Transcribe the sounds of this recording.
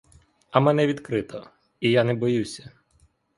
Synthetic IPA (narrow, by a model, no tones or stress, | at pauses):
ɐmɛnɛʋʲid̪kɾɪt̪ʰɔ | ijanɛbɔjusʲɐ̥